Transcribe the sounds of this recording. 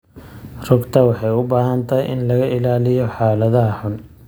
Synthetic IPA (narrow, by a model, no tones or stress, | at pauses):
rʊɡt̪ʰɐwɑħɑjʊbaːɦɐnt̪ʰɐjʔɪ̰nlɐɣɐʔɪlaːlɪjɔħaːlɐðɐɦɐħʊn